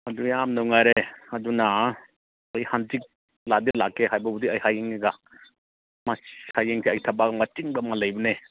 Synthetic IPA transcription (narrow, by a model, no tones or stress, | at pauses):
ɐdujamnawŋajɾeɐduna | ɐjhantik̚ | ladelakːeɦajbɐbudiajhajeŋiɡa | mahajeŋsʰiajtʰabaɡɐmatiŋbamalɐjbɐne